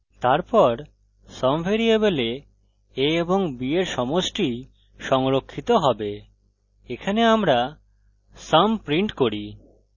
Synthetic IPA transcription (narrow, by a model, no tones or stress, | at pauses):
t̪aɾpɔɾ | sɔmfeɾiebele | eeboŋbieɾʃɔmosʈi | ʃɔŋɾokʰːit̪oɦɔbe | ekʰaneamɾa | sampɾiɳʈkoɾi